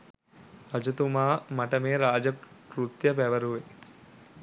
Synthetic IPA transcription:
ɾɐd͡ʒɐt̪umaːmɐʈɐmeːɾaːd͡ʒɐkɾut̪jɐpæʋɐɾuʋe

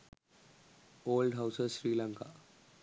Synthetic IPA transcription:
oːlɖɦawsəzɕɾiːlaŋka

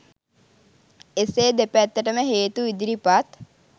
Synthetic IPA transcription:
eseːd̪epæt̪ːəʈəməɦeːt̪uid̪iɾipat̪

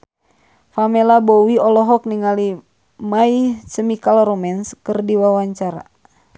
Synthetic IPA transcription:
famɛlabɔwiɔlɔɦɔk̚niŋali | maisəmikalɔɾɔmɛnskɨrdiwawaɲt͡ʃaɾa̰

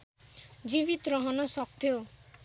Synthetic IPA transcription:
d͡ʒiβit̪ɔɾɔɦɔnɔsɔkt̪e

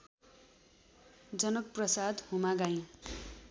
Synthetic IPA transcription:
d͡zʌnʌk̚prʌsad̪humaɡaj̃

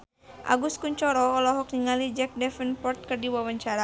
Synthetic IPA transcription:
ʔa̰ɡuskuɲt͡ʃɔɾɔːlɔɦɔk̚niŋalid͡ʒɛk̚dɛfənpɔrt̪̚kɨrdiwawaɲt͡ʃaɾa

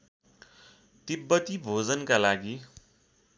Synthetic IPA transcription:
t̪ibːʌt̪ibʱod͡zʌnkalaɡi

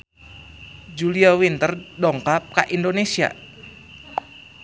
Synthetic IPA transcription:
d͡ʒuliawint̪ərdɔŋkap̚kaʔindonesia̰

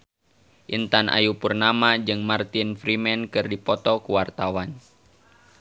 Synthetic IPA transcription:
ʔint̪anʔa̰jupurnamad͡ʒɨŋmart̪infɾimɛnkɨrdipɔt̪ɔkuwart̪awan

